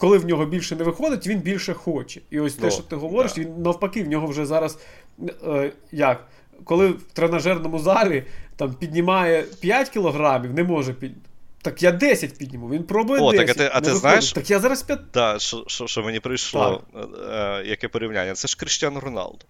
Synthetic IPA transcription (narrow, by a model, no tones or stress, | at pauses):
kɔlˠɪwnʲɔɦɔbʲilʲʃɛnɛʋɪxɔd̪ɪtʲʋʲinbʲilʲʃɛxɔt͡ʃɛ̥iɔsʲt̪ɛʃt͡ʃɔt̪ɪɦɔʋɔɾɪʃʋʲinːɐwpɐkɪwnʲɔɦɔwʒɛzɑɾɐs | jɐk | kɔlˠɪwt̪ɾenɐʒɛrnɔmʊzɑlʲit̪ɑmpʲidʲnʲimɑjɛpʲjatʲkʲilˠɔɦɾɑmʲiwnɛmɔʒɛpʲit̪ɑkjad̪ɛsʲɐtʲpʲidʲnʲimuwʋʲinpɾɔbʊjɛotd̪ɛɐskɐɪɐt̪nɪʋxnajɪʃt̪akjazɑɾɐspʲɐd̪aʃɔʃɔʃt͡ʃɔmenʲipɾɪjʃlˠɔ̰ | jɐkɛpɔɾʲiwnʲa̰nʲːɐt̪sɛʃkɾɪʃtʲanɾɔnɑ̰lˠd̪ɔ